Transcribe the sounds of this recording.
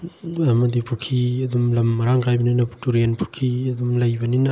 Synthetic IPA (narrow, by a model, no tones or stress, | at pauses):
ɐmɐdipʰuɾkʰiɐd̪umlɐmːɐɾaŋkʰajbɐninɐtuɾenpʰuɾkʰiɐd̪umlɐjbɐninɐ